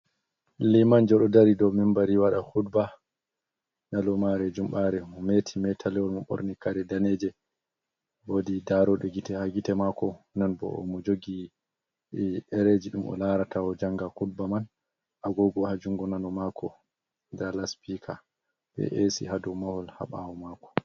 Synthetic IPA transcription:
limand͡ʒɔɗɔdaɾidɔwmimbaɾiwaɗahudba | nalɔmaɾɛd͡ʒumɓaɾɛmɔmetʰimɛtʰalɛwɔlmɔɓo̰ɾnikaɾɛdaned͡ʒɛ | bodidaɾɔɗɛɡitɛhaɡitɛmakɔnanbɔ̰ɔ̰mɔd͡ʒoɡi | ɛɾed͡ʒiɗumʔɔ̰laɾatʰawɔd͡ʒaŋɡakud̚baman | ʔaɡɔɡɔhad͡ʒuŋɡɔnalɔmakʰɔ | dalaspikʰa | bɛ̰ʔesḭɦadɔmahɔlha̰ɓa̰wɔmakɔ̥

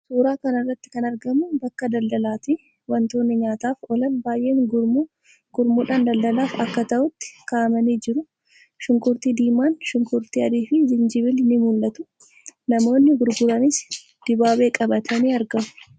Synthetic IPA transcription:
suːɾaːkɐnɐrːɐt̪ːɪ̥kɐnɐɾɡɐmʊbɐkːɐd̪ɐld̪ɐlaːt̪i | wɐnt̪o̞ːnːɪɲaːt̪aːfɔlɐnbaːjʔe̞ːŋɡʊɾmu | ɡ̥ʊɾmuːᶑaːnd̪ɐld̪ɐlaːfɐkːɐt̪ɐʔʊt̪ːɪ̥kaːmɐniːd͡ʒɪɾʊ | ʃʊŋkʊɾt̪iːd̪iːmːaːnʃʊŋkʊɾt̪iːɐd̪iːfɪd͡ʒɪnd͡ʒɪβɪlnɪmʊlːɐt̪ʊ | nɐmo̞ːnːɪɡʊɾɡʊɾɐnɪs | d̪̥ɪbaːbe̞ːkʼɐbɐt̪ʰɐniːɐɾɡɐmʊ̥

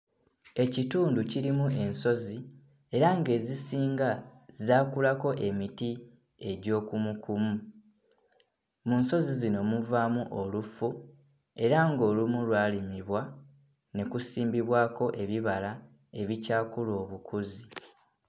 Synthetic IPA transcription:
e̞cituːnduciɾimuʔe̞nso̞zi | e̞ɾaŋɡe̞ːzisiːŋɡazaːkulako̞ʔe̞miti | e̞ɟo̞ːkumukʰumu | munso̞zizino̞muvaːmuʔo̞lufu | e̞ɾaŋɡo̞ːlumulwaːlimiβwa | ne̞kusiːmbiβwaːko̞ʔe̞βiβala | e̞βicaːkulo̞ːβukʰuzi

